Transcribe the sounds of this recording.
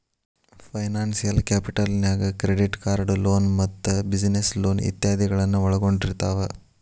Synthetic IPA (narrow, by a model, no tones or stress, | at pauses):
pʰɐjnaːnsijɐlkeːpiʈɐlnjaːɡɐkɾeɖiʈkaːɾɖloːnmɐt̪ːubid͡ʒneslo̞ːnḭt̪jaːd̪ʱiɡɐɭɐnːuɐɭɐɡo̞ɳɖiɾt̪aːʋɐ